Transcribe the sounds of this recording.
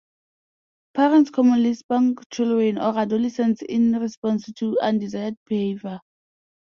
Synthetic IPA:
pʰɛɹɛ̃ntskʰɔmɔ̃nlisbãŋkt͡ʃʰilɹɛ̃nɔɹadɔlɛsɛ̃nsḭ̃nɹispɔ̃nstʰuãndizajəd̚bihevə

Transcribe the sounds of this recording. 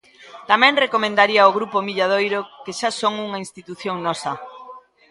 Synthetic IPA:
t̪amɛ̃ŋrekomẽnd̪aɾiɐoɣɾupomiʎað̞ojɾokeʃasoŋuŋɐĩnst̪it̪uθjoŋnɔsɐ

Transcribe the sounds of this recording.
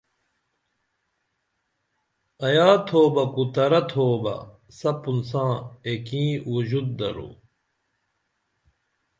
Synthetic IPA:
ɐjaːt̪ʰoːbɐkut̪ɐɾɐt̪ʰoːbɐ̰ | sɐpunsãːekĩːwud͡ʑud̪̚d̪ɐ̰ɾṵ

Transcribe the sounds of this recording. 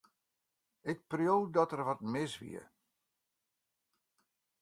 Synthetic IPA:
ɪk̚prjoːdɔtərʋɔt̚mɪsʋḭə̰

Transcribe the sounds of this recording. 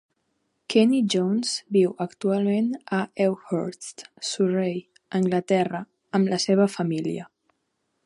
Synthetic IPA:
kɛnid͡ʒonzbiwəkt̪ualˠmenəɛwhɔɾst̪surej | əŋɡlət̪ɛrə | əmləseβ̞əfəmilḭə

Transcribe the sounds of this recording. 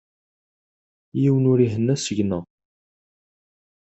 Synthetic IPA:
jiwənʊɾiɦənːæsəʝnæ

